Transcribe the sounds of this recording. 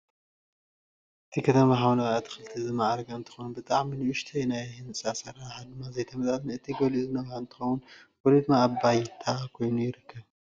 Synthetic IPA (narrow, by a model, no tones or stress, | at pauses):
ʔɨt̪ʰikʰɐt̪ʰɐmaħawnɐβat̪ʰxɨlɨt̪ʰizɨmaʕaɾɡaɨnt̪ʰɨ̥xonubɨt̪ʼaʕminiʊʃt̪ʰɐjnajhnɨsʼasɐɾaħad̪ɨmːazɐjt̪ʰɐmɐzʼazɨnɨt̪ʰiɡolizɨnɐβaɨnt̪ʰɨ̥xɐwunwolid̪ɨmːaːbajt̪ʰakʰo̞jnujɪɾɨkʰːɐβ